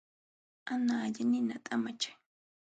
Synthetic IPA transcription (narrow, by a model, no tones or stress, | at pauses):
anaːʎanɪnat̪ʼamat͡ʃḁj